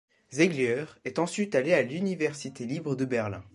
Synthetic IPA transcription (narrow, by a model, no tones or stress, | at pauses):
zɛɡljœʁɛt̪ɑ̃sɥit̪alealynivɛʁsit̪elibʁəd̪əbɛʁlɛ̰̃